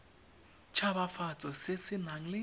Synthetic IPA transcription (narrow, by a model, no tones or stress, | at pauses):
t͡ʃʰabafat͡sʼɔsɪsɪnaŋ̩lɪ